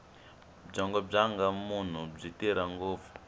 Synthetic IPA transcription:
b͡ʐaŋɡɔb͡ʐaŋɡamun̤ub͡ʐiteɾaŋɡovu̥

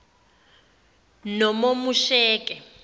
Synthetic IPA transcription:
nɔmomuʃɛːkʼɛ

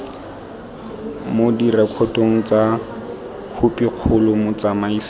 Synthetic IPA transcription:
modirɛkʰɔtʼoŋ̩t͡sa | kʰupiq͡χʰʊlʊmʊt͡samaiːs

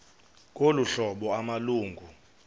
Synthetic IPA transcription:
k̬ʼoluɬɔɓɔamaluːŋɡʱu

